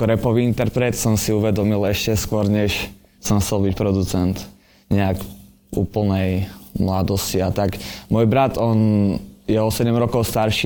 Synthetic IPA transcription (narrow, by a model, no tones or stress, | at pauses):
kɔɾɛpɔʋiint̪ɛɾpɾɛt̪sɔmsiuʋɛd̪ɔmilɛʃcɛskʋɔɾɲɛʃ | sɔmxt͡sɛlˠbicpɾɔd̪ut͡sɛnt̪ | ɲɛak | ṵːpl̩ˠnɛjmlad̪ɔsciat̪akmʊɔːjbɾad̪ɔnjɛɔsɛɟɛmɾɔkɔʊst̪aɾʃi